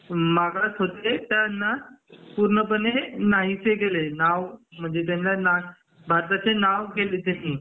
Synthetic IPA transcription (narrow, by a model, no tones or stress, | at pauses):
maɡlat͡sɦot̪et̪janːapuɾɳəpənenaɦit͡seɡelenaʋm̤əɳd͡zet̪̬janlana | bʱaɾt̪at͡senaʋɡelet̪ani